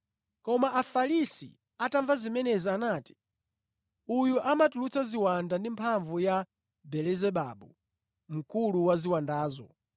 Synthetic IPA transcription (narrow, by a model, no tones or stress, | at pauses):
kɔmaʔafalisḭ | ataɱvazimɛnɛzanaːti̥ | ujuʔamatulut͡saziwandandimpʰaɱvuja | bɛlɛzɛɓa̰ɓu | m̩kuluwaziwandaːzɔ